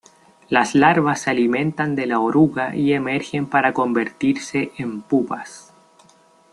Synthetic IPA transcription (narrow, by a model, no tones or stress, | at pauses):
laslaɾβasalimẽ̞nt̪and̪e̞laoɾuɣaʔiemeɾxe̞mpaɾako̞mbe̞ɾt̪iɾse̞ʔempupas